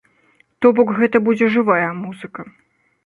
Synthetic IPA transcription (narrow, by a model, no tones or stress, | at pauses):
t̪ɔbɔkɣɛt̪ɐbud͡zʲɛʐɨvajɐmuzɨkɐ